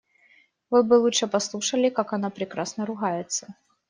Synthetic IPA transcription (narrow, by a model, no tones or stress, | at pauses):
vɨt̪̚bɨlˠutʂɨpɐslˠuʂəlʲɪkakɐnapɾʲɪkɾasnəɾʊɣajɪt̪sə̥